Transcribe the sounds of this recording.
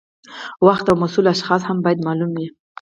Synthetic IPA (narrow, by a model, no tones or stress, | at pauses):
waxt̪awmasulaʃxɑshambɑjad̪mɑlumwi